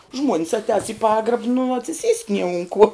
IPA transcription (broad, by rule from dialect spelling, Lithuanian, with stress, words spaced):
ˈʒmuɔnʲɪs ɐtʲˈɛːs ɪ ˈpɑːɡrɐp nʊ ɐtʲsʲɪˈsʲiɛsʲtʲ nʲiɛ ʊn kuɔ